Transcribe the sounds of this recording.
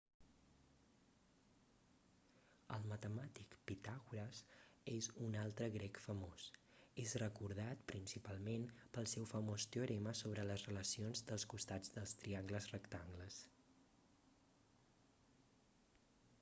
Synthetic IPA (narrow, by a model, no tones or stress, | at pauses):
ə̰lˠmət̪əmat̪ikpit̪aɣuɾəsezunalˠt̪ɾəɣɾɛkfəmos | ezrəkuɾð̞at̪̚pɾinsipalˠmenpəlˠsɛwfəmost̪euɾɛməsoβ̞ɾələzrələsionzd̪əlˠskust̪ad͡zd̪əlˠst̪ɾiaŋɡləzrəkt̪aŋɡləs